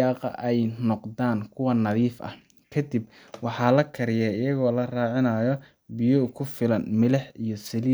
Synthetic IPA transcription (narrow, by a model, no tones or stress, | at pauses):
ɑːqɐ̰ʔɛjnɔqd̪aːnkʰʊwɑnɐðiːfɐ̰ | kʰɐd̪ib | wɑħɑːlɐkʰɐɾɪjɛɪjɐɣɔːlɐraːʕɪnɐjɔ | bɪjɔkʰʊfɪlɐnmɪlɛħijɔsɐliː